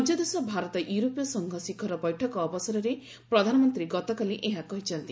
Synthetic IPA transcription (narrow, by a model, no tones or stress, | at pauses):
d͡ʒɔd̪esɔbʱaɾɔt̪ɔʔjuɾopjɔsɔŋɡʱɔsikʰɔɾɔbɔjʈʰɔkɔːbɔsɔɾɔɾe | pɾɔd̪ʱanɔmɔnt̪ɾiɡɔt̪ɔkaliʔeɦakɔɦit͡ʃʰɔnt̪i